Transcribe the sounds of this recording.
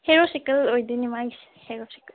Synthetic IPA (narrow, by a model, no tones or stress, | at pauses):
heɾosikɐlojdinimajs | heɾosi̥kɐl